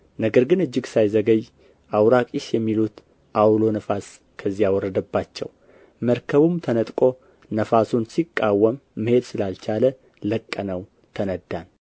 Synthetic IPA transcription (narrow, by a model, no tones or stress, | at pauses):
nəɡəɾɡɨnɨd͡ʒːɨɡsajzəɡəj | ʔawɾakʼiʃjɛmːilut̪ | ʔawlo̞nəfas | kʰəzːijawɔɾːəd̪əbːat͡ʃːɛ̰w | məɾkʰəβumt̪ʰənət̪ʼkʼo̞ | nəfasunsikʼːawːəmːɨhe̞d̪sɨlalt͡ʃʰalə | ləkʼːənəw | t̪ʰənəd̪ːan